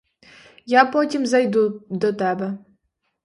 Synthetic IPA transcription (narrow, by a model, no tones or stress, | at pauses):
japɔtʲimzɐjd̪ud̪ɔt̪ɛbɛ